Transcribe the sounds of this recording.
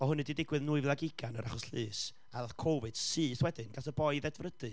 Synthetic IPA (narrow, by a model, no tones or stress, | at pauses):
ɔhʊnɨdidɪɡwɨðnuɨvlˠaɡɪɡanəɾaχɔslɨːs | aθkʰowvɨd̥siːθwɛdɨnɡ̥aθəbɔɨðɛdvrədɨ